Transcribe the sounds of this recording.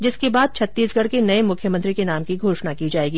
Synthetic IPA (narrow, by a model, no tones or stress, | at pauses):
d͡ʒɪskebaːd̪̚t͡ʃʰɐt̪ːiːsɡʱɐɽkenɐemʊkʰjəmə̃nt̪ɾikenaːmkiɡʱoːʃnakid͡ʒaːeːɡiː